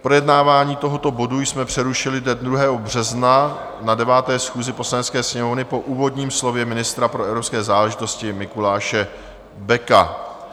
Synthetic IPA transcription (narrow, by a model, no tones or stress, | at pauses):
pɾo̞jɛdnaːvaːɲiːt̪o̞ɦo̞t̪o̞bo̞dujsmɛpr̝̥ɛɾuʃɪlɪdɛd̪ɾuɦɛːɦo̞br̝̥ɛzna | nadɛvaːt̪ɛːsxuːzɪpo̞slanɛt̪t͡skɛːsɲɛmovnɪpo̞ʔuːvo̞dɲiːmslo̞vjɛmɪnɪst̪ɾapɾoɛvɾopskɛːzaːlɛʒɪt̪o̞scɪmɪkulaːʃɛ | bɛka